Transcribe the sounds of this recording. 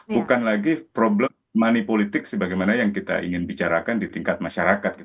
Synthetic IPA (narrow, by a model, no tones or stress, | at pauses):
bukanlaɡipɾoblɛmːanipolit̪ɪk̚səbaɡajmanajaŋkit̪a̰ḭŋɪnbit͡ʃaɾakandit̪iŋkat̪̚maʃaɾakat̪̚kit